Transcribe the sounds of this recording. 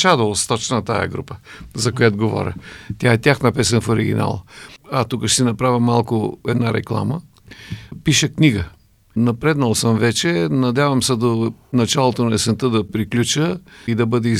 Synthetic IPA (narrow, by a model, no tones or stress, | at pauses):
t͡ʃad̪olˠst̪ɔt͡ʃnət̪a̰jə̰ɡɾṵpə̥zɐkojat̪oɡovɔ̰ɾʲə̰t̪jaɛt̪ʲaxnɐpɛsɛnfoɾiɡʲḭna̰lˠɐt̪ukəʃt̪inɐpɾavʲəmːalˠkʊɛd̪naɾɛ̰klˠa̰mə | piʃəkniɡə | nɐpɾɛd̪nɐlˠsəmvɛt͡ʃɛnɐd̪ʲavɐmsɛd̪onɐt͡ʃalˠot̪onɐɛsɛnt̪əd̪ɐpɾiklʲut͡ʃəid̪ɐbɤd̪ɛi